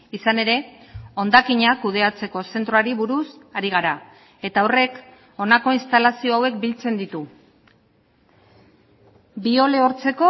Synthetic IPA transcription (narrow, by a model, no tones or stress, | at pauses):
isane̞ɾe̞o̞nd̪akiɲakuð̞e̞at͡se̞ko̞se̞nt̪ɾoaɾiβuɾusaɾiɣ̞aɾa | e̞t̪ao̞re̞k | o̞nako̞inst̪alasio̞awe̞kbilt͡se̞nd̪it̪u | bio̞le̞o̞ɾt͡se̞ko̞